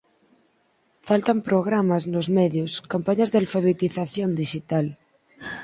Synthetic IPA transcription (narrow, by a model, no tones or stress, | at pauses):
falt̪ampɾoɣ̞ɾamaznozmɛðjoskampaɲazðealfaβ̞et̪iθaθjõnd̪iʃit̪al